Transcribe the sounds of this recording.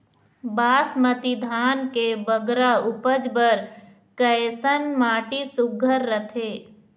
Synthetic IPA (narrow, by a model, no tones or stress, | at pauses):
baːsmət̪id̪ʱaːnkebəɡɾaʊpəd͡ʒbəɾ | kəjsənmaːʈisʊɡʱəɾːət̪ʰeː